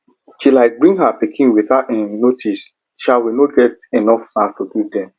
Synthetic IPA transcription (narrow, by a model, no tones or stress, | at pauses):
ʃilaɪk̚bɹĩŋɦapikʰĩnwiθaenotʰis | ʃalwinoɡɛt̚enɔfnatududɛ̃m